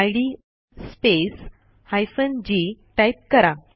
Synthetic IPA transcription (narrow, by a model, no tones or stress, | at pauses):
ajɽi | spes | hajfənd͡ʑiʈajp̚kəɾa